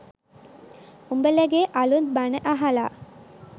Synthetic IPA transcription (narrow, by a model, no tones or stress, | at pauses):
umbəlæɡeːʔalunbanəʔaɦala̰ː